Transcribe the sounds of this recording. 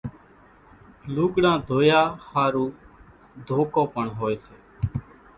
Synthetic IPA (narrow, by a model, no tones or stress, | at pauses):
luːɡɽãːd̪ʱoːjaːhaːɾuː | d̪ʱoːkõːpəɳɦoːeːseː